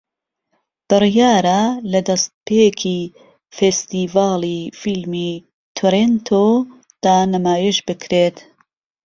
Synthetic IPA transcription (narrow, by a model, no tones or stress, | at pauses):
b̥ɨrjaːɾalɐd̪ɐst̪̚pʰekʰi | fest̪iːvaːlˠifilmi | t̪ʰoɾent̪ʰo | d̪̥aːnɐmaːjiʃbɨkʰɾeːt̪